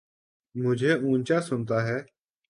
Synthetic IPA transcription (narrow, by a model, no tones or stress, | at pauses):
mʊd͡ʒʱeːũːnʲt͡ʃaːsʊnt̪aːɦɛː